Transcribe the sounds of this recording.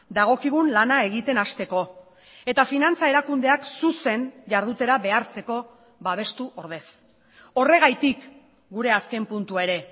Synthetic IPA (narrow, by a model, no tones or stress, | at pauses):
d̪aɣ̞o̞kiɣ̞unlanae̞ɣ̞it̪e̞nast̪e̞ko̞ | e̞t̪afinant͡sae̞ɾakund̪e̞aksuse̞nʝaɾð̞ut̪e̞ɾaβe̞aɾt͡se̞ko̞ | βaβ̞e̞st̪uʔo̞ɾð̞e̞s | o̞re̞ɣajt̪ik | ɡuɾe̞aske̞mpunt̪uae̞ɾe̞